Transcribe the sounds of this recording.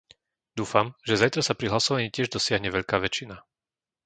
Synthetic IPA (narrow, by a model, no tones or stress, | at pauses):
d̪uːfamʒɛzajt̪ɾasapɾiɦlasɔʋaɲiːcɪɛʒd̪ɔsɪaɦɲɛʋɛʎkaːʋɛt͡ʃina